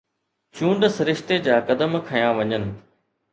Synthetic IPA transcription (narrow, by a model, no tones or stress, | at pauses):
t͡ɕũːɳɖsɪɾɪʃt̪ed͡ʑaːkɐd̪əmkʰɐjãʋɐɲənɪ̆